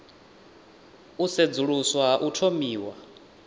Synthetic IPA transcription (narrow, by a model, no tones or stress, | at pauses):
used͡zuɺuswaʔutʰomiːwa